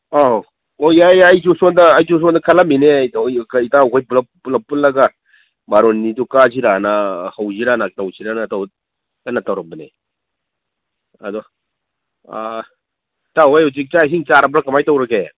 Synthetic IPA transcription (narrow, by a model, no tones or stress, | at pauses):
a | ojajajd͡ʒusɔndɐːjd͡ʒus̬ɔndɐkʰalaminejkitaukʰojpulpulapːulːɐɡa | baɾonːidukaziɾanahawziɾanak̚tawsʰiɾanataw | anatawɾɐbɐne | ɐ̰dɔ | tawajus̬ik̚t͡ʃajsiŋt͡ʃaɾabɾakamajtawɾɐke